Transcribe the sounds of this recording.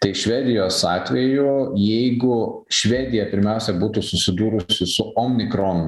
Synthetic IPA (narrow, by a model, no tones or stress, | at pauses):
t̪ɐɪʃʲʋʲæːd̪ʲɪjoːsɑːt̪ʲʋʲɛjʊjɛɪɡʊ | ʃʲʋʲæːd̪ʲɪjɛpʲɪɾʲmʲæˑʊsʲɛbuːt̪usʊsʲɪd̪uːɾʊsʲɪsʊomʲnʲɪkɾoːnʊ